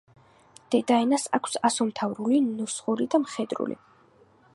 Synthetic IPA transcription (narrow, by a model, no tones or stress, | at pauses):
d̪̥ɛd̪aɛnasa̰kʷʰsasɔmt̪ʰavɾulinɔsχʼuɾid̪amχɛd̪ɾṵlḭ